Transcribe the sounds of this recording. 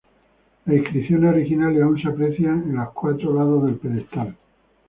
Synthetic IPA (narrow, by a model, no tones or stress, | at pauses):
laihkɾiθjonoɾixinaljaunseapɾe̞θjaŋẽnlohkwat̪ɾolaðo̞zðe̞lpeðest̪al